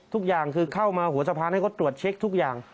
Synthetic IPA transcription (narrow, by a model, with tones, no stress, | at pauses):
t̪ʰu˦˥k̚jaː˨˩ŋkʰɯː˧kʰa˥˩wmaː˧hu˨˩˦ɐsa˧pʰaː˧na˥˩ko˦˥t̪ːɾu˨˩ət̪̚t͡ɕʰe˦˥k̚t̪ʰu˦˥k̚jaː˨˩ŋ